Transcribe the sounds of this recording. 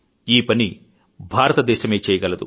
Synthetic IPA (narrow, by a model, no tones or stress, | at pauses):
iːpɐni | bʱaːɾɐt̪ɐd̪ɛːʃɐme̞ːt͡ʃɛːjɐɡɐlɐd̪u